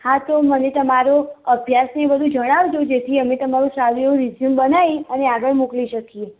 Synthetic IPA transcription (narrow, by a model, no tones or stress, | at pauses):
hat̪omənet̪əmaɾoəbʱjasnebəd̪ʱũd͡ʒəɽ̃aʋd͡ʒod͡ʒet̪ʰiəmet̪əmaɾũsaliõɾizjumbənajəneaɡəɭmukliʃəkie